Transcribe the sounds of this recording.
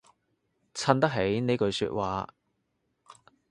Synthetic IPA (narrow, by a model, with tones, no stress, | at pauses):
t͡sʰɐ˧nt̪ɐ˥k̚ɦe˨˥jne˨˥jkɵ˨˧ɥsy̰ː˧t̚waː˨˧